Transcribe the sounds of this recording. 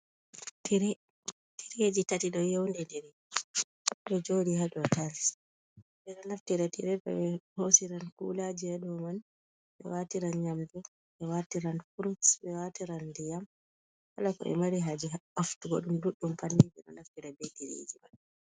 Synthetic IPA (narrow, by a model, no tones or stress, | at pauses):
tɾ | tʰiɾed͡ʒitatiɗɔjɛwndɛndɛɾɛ | ɗɔd͡ʒodihaɗɔtals | bɛɗɔnaftiɾɛtiɾɛbɛ̰hosiɾankṵlad͡ʒiɛɗɔman | ɓɛ̰watiɾanɲamdu | ɓɛwatiɾankuɾusbɛwatiɾandijam | halakɔ̰ɛ̰maɾiɦad͡ʒiaaftuɡɔɗumduɗːumpanːibɛɗɔ̰naftiɾɛbediɾḛd͡ʒiman